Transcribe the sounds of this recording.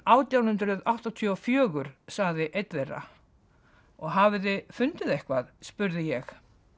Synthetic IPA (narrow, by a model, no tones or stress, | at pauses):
aːwt̪jawnhʏnt̪ɾʏðawht̪ɔt̪ʰʏɔfjœːɣʏɾ̥saɣðɪʔejt̪vejra̰ | ɔɣɦavɪðɪfʏnt̪ɪðehkvaðspʏɾðɪjɛx